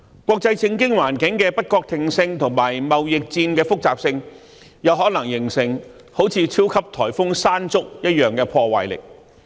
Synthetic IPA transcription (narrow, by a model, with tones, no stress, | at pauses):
kʷɔː˧k̚t͡sɐ˧jt͡sʰɪ˥ŋkɪ˥ŋwaː˨˩nkɪ˨˥ŋkɛː˧pɐ˥t̚kɔː˧k̚t̪ʰɪ˨ŋsɪ˧ŋt̪ʰʊ˨˩ŋmaː˨˩jmɐ˨wjɪ˨k̚t͡siː˧nkɛː˧fʊ˥k̚t͡saː˨p̚sɪ˧ŋ | jɐ˨˧wɦɔː˨˥knlɐ˨˩ŋjɪ˨˩ŋsɪ˨˩ŋ | ho˨˥wt͡sʰiː˧t͡sʰiː˥wkʰɐ˥p̚t̪ʰɔː˨˩jfʊ˥ŋsaː˥nt͡sʊ˥k̚jɐ˥t̚jœː˨ŋkɛː˧pʰɔː˧wɐ̰˨˩jlɪ̰˨˩k̚